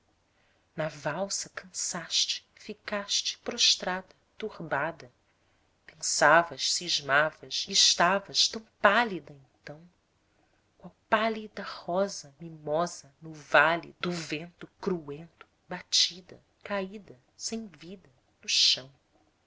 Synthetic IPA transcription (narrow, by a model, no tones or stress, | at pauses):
nɐvawsɐkɐ̃saʃt͡ʃɪ̥fikaʃt͡ʃɪ̥pɾoʃt̪ɾad̪ɐt̪uhbad̪ɐ | pẽsavɐʃsiʒmavɐʃiːʃt̪avɐʃt̪ɐ̃w̃palid̪ɐẽnt̪ɐ̃w̃ | kawpalid̪ɐhɔzɐmimɔzɐnʊvalḭd̪ʊvẽnt̪ʊkɾuẽnt̪ʊ̥ | bat͡ʃid̪ɐ̰ | kaid̪ɐ | sẽj̃vid̪ɐ | nʊʃɐ̃w̃